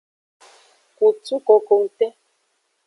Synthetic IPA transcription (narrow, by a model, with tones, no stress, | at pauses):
ku˨t͡su˦ko˨ko˨ŋ̩˨tɛ˦